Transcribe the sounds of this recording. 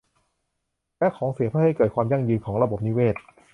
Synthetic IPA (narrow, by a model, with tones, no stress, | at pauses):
lɛ˦˥kʰɔː˩˦ŋsi˨˩˦əpʰɯː˥˩ha˥˩jkɤː˨˩t̪̚kʰwaː˧mja˥˩ŋjɯː˧nkʰɔː˩˦ŋɾa˧bo˨˩p̚niː˦˥weː˥˩t̪̚